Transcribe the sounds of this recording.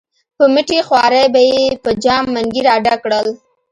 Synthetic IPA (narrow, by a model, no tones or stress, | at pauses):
pəmɪʈixwɑɾajbajepəd͡ʒɑmːaŋɡiɾɑɖakɽəl